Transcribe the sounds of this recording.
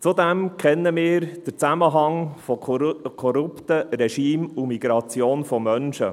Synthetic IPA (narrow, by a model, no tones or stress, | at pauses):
t͡sud̪æmkʰɛnːəmɪːɾd̥ət͡sæməɦɑŋfɔkʰɔɾupt̪əɾɛʃiːmumiɡ̥ɾɑt͡sjoːnfɔmœnʃə̰